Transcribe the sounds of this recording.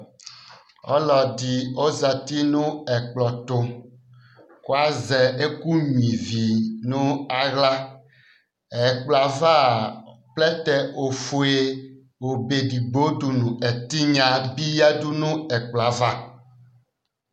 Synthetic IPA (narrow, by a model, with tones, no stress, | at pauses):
ɔ̰˦lɔ˨di˨o˦za˨t̪i˦nũ˦ɛ˨k͡plɔ˨t̪o˦ | ko˦a˦zɛ˨e˦ku˦ɲĩ˨vi˨nũ˦a˦ɣla˦ | ɛ˨k͡pla˨va˦˨plɛ˦t̪ɛ˨ʔo˨fu˨e˦ | o˨be˨ɖi˨ɡ͡bo˦ɖu˨nũ˨ɛ˨t̪i˦ɲã˨bi˦ja˦du˦nũ˦ɛ˨k͡pla˨va˦